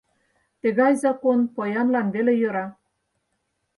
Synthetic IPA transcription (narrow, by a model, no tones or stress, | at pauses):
t̪ĕɣɑjzɑkonpojɑnlɑnβelejø̆ɾɑ